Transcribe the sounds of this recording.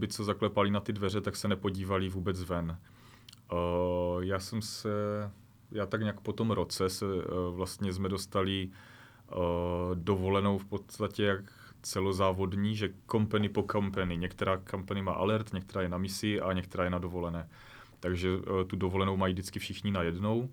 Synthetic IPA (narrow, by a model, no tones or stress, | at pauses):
bɪt͡sɛzaklɛpalɪnat̪ɪdvɛr̝ɛt̪aksɛnɛpo̞ɟiːvalɪvuːbɛt͡svɛn | jaːsɛmsɛ | jaːt̪aɡɲɛakpot̪o̞mɾo̞t͡sɛsɛvlast̪ɲɛzmɛdo̞st̪alɪ | do̞vo̞lɛno̞wfpo̞tt̪acɛjak | t͡sɛlozaːvo̞dɲiːʒɛkompɛnɪpo̞kampɛnɪɲɛkt̪ɛɾaːkampanɪma̰ːʔalɛɾt̪ɲɛkt̪ɛɾaːjɛnamɪsɪʔaɲɛkt̪ɛɾaːjɛnado̞vo̞lɛnɛː | t̪aɡʒɛt̪udovo̞lɛno̞wmajiːdɪt͡skɪfʃɪxɲinajɛdno̞w